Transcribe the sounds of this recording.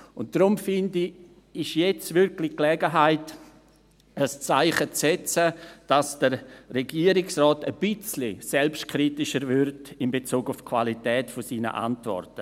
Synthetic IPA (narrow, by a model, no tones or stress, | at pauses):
ʊnt̚d̥ɾʊmfɪndi | ɪʃjɛt͡svʏɾklɪklɛɡəɦaɪt | əst͡saɪχət͡sɛt͡səd̥asd̥əɾrɛɡiːəɾɪksrɔːtəb̥ɪt͡slisɛlpʃtkʰɾitɪʃəɾvʏrdɪmbet͡suːɡʊfkʰv̥a̰litɛːtfosiːnə̰ʔa̰ntvɔ̰rtə